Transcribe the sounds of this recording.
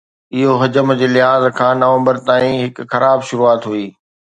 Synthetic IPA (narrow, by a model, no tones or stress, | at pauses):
ɪɦoɦɐd͡ʑəmd͡ʑeːlɪɦaːzkʰãːnɐʋə̃mbəɾt̪aːĩɦɪkxɐɾʔaːbʃʊɾuaːt̪ɦuiː